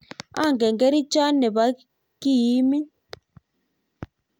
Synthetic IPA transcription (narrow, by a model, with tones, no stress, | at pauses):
a̰˦˨ŋɡɛ˨ŋɡɛ˦ɾi˦t͡ʃa˦nɛ˨βa˨˦ | ki˦˨ji˦mi˦